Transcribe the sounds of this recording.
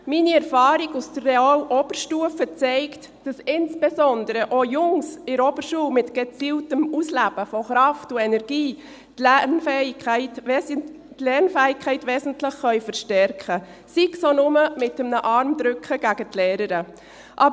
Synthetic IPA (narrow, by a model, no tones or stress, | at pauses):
miniɛɾfɑːɾiɡusd̥ərːeaːlʔɔb̥əɾʃtuəfət͡sɛɪkt | d̥ɑsɪnsb̥ezɔndəɾəʔojʊŋsɪɾɔb̥əɾʃuːlmɪtɡ̥et͡siːltəmuslæb̥əfɔχɾɑftʊɛnɛɾɡ̥iː | tlɛnfɛɪt | tlɛɾnfɛɪkʰːɛɪtʋɛːsən̩tlɪχχœʏfəɾʃtɛɾkχə | siɡsonʊməmɪtəmnəʔɑɾmd̥ɾʏkχəɡ̥æɡətlɛːɾəɾə | ʔɑb